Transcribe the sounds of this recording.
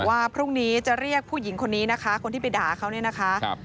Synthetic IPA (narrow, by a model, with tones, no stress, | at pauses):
waː˥˩pʰɾuː˥˩ŋniː˦˥t͡ɕa˨˩ɾi˥˩ək̚pʰuː˥˩ji˩˦ŋkʰo˧nːiː˦˥na˦˥kʰa˦˥kʰo˧nt̪ʰiː˥˩pa˧jdaː˨˩kʰa˦˥wni˥˩ɐna˦˥kʰa˦˥